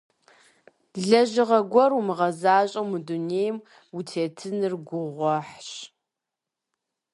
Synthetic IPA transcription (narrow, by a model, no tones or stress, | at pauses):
ɮɐʑɪʁɐɡʷɔrumɨʁɐzaːɕʼɐmuduneːjm | utʰeːtʰɨnɨrɡʷʊʁʷɔħɕ